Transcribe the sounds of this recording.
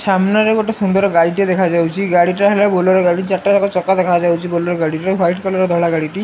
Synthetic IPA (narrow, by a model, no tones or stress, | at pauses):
samnaɾeɡoʈesund̪ɔɾɔɡaɽit̪ed̪ekʰad͡ʒawt͡ʃʰiɡaɽiʈaɦelabolɔɾɔɡaɽit͡ʃaʈːad͡ʒakɔt͡ʃɔkad̪ekʰad͡ʒawt͡ʃʰibolɔɾɔɡaɽiʈeɦajʈkɔlɔɾed̪ʱɔɭaɡaɽiʈi